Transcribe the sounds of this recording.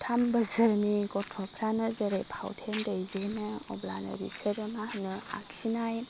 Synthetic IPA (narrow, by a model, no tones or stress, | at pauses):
tʰambəzəɾniɡɔtʰɔpʰɾanɐzɐɾepʰa̰wtʰendɐjzenɯɔ̰blanɐ̰ɾḭseɾɐmahnɯa̰ksinaj